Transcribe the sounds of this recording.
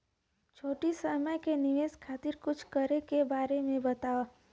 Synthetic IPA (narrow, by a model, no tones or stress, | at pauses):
t͡ʃʰoːʈisəməjkenɪʋeːskʰaːt̪ɪɾkʊt͡ʃʰkəɾekebaːɾemẽbɐt̪aːo